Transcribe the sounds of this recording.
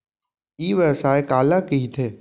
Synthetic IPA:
iːʋəːsaːekaːlakiɦit̪ʰeː

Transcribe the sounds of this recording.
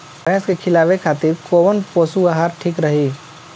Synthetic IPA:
pɾɛ̃ːskekʰɪlaːʋekʰaːt̪ɪɾkoːʋənpoːsuaɦaːɾʈʰikɾəɦiː

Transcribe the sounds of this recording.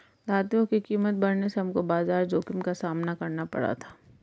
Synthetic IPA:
d̪ʱaːt̪ijõkikiːmət̪̚bɐɾneseɦɐmkobaːzaːɾd͡ʒoːkɪmkasaːmnakɐɾnapɐ̰ɽa̰t̪ʰḁː

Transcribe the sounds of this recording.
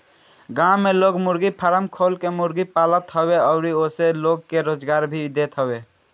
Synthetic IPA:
ɡãmeloɡmuɾɡipʰəɾəmkʰolkemuɾɡipalət̪ɦəbeəʊɾioseloɡkeɾoːd͡ʒɡaɾbʱid̪et̪ɦəbe

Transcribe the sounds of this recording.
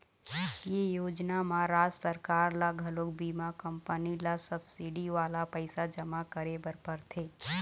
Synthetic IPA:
jejoːd͡ʒnamãɾaːd͡ʒsəɾkaːɾlaɡʱɐlokbiːmakə̃mpənilasɐbsiɖiʋaːlapəɪsad͡ʒɐmakəɾebəɾpəɾt̪ʰeː

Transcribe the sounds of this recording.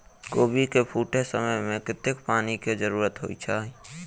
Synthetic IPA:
koːbikepʰuːʈesəməmẽkɪt̪ɪkpaːniked͡ʒəɾuːɾət̪ɦo̰it͡ʃʰa

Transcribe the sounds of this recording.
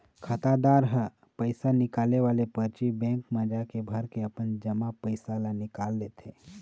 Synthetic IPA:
kʰət̪ad̪aːɾɦə | pəɪsanɪkaːleʋaːlepəɾt͡ʃibɛ̃ːŋkməd͡ʒakebʱəɾkeəpənd͡ʒəmapəɪsalanɪkaːlːet̪ʰeː

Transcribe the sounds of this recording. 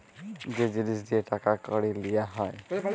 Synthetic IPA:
zed͡ʒinisdietakakɔɽilijaɦɔj

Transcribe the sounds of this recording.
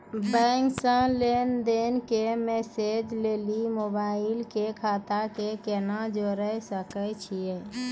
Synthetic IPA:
bɛ̃ŋksəlend̪enkemeːsed͡ʒleːlimobaːɪlkekʰaːt̪akekenad͡ʒoɾəɦsəkət͡ʃʰie

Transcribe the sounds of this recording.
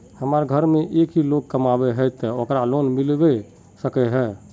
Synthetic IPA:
həməɾɡʱəɾmeʔekʰɦilok̚kːəmabɛɦɛt̪ːəokɾalonmilbɛ | səkɛɦɛ

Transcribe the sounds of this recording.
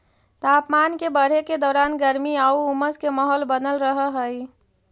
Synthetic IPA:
t̪aːpmaːnkebəɽ̤eked̪ɔːɾaːnɡəɾmiauuməskemɔɦɔlbənəlɾəɦəɦəi

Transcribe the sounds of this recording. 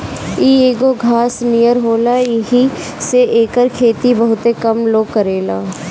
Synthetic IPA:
iːeːɡoɡʱaːsnijəɾɦoːlajɪɦi | seʔeːkəɾkʰeːt̪ibɐɦʊt̪ekɐmloːɡ̚kɐɾeːlaː

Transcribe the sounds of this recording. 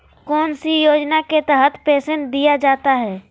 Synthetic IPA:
kɔːnsijoːd͡ʒnaket̪ɛɦət̪peːsẽnʈ̚d̪ijad͡ʒaːt̪aɦɛː

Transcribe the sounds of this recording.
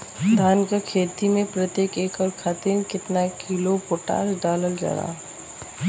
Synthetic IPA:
d̪ʱaːnkakʰeːt̪imẽpɾət̪jeːkeːkɔːɾkʰat̪ɪnkɪt̪nakiːlopoːʈa̰ːsɖaːləld͡ʒɐ̰ɾa̰ː

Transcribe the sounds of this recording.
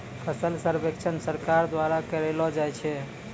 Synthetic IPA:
pʰəsəlsəɾbekt͡ʃʰənsəɾkaɾd̪waɾakəɾɛlɔd͡ʒajt͡ʃʰɛ

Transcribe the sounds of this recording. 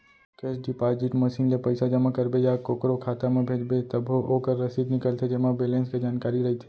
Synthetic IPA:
kesɖipaːd͡ʒiʈmɐsiːnlepɐɪsad͡ʒɐmakɐɾbejakoːkɾokʰaːt̪amẽbʱeːd͡ʒbet̪ɐbɦooːkəɾːɐsiːd̪nɪkəlt̪ʰed͡ʒɐmabeːlẽːnsked͡ʒaːnkaːɾiɾɐɦit̪ʰe̥

